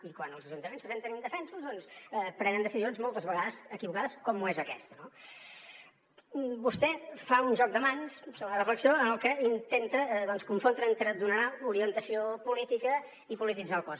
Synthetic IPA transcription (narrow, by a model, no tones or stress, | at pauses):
ikwanəlˠzəʒunt̪əmensːəsent̪ənənd̪əfɛnsuzðɔnspɾɛnənəsizionzmɔlˠt̪əzβəɣaðəzəkiβukaðəskɔmuezəkɛst̪əno | bust̪ɛfaunʒɔk̚d̪əmaɲssoβlərəfləksioənəlˠkəint̪ent̪əðɔnskuɱfond̪ɾəent̪ɾəd̪unəɾauɾiənt̪əsiopulit̪ikə | ipulit̪̬id͡zalˠkɔs